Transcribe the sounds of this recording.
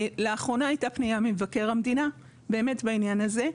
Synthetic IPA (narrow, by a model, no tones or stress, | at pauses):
leaχʁo̞naːjtapnijamimvake̞ʁamd̪ina | be̞ːme̞tbainjanaze̞